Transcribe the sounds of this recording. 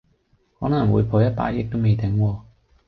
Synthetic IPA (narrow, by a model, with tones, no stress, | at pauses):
hɔː˨˥nɐ˨˩ŋwuː˨˧jpʰo˨˧jɐ˥t̚pa̰ː˧˥jɪ˨˧k̚t̪o˥wme˨˧jt̪ɪ˨˥ŋwɔː˧